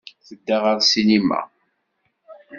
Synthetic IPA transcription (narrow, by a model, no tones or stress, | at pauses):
θəd̪ːæʁɑɾˤsinimæ̰